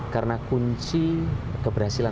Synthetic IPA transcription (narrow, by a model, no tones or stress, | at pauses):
karənakuɲt͡ʃikəbərɦasila